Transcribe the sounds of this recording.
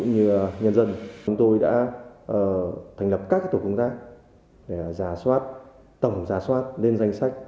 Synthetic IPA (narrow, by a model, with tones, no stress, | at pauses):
kṵ˧˥ŋ͡mɲɨ˧ɲə˧nzə˧nt͡ɕʊ˨˦ŋ͡mt̪o˧jɗa̰ː˧˥ʔəː˨˧˩t̪ʰɛ˨˩ŋ̟lə˨˩p̚ka˦˥k̚aː˦˥t̪ʰːkʊ˧ŋ͡mt̪aː˦˥k̚ | ɗe˧˩˨zaː˧˩swaː˦˥t̚ | t̪ə˨˧˩wŋ͡mzaː˧˩swaː˦˥t̚le˧nza˧jŋ̟sa˦˥jk̟̚